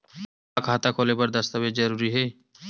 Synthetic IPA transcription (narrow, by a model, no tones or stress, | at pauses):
akʰaːt̪akʰoːlepəɾd̪ɐst̪abed͡ʒd͡ʒɐɾuːɾiɦeː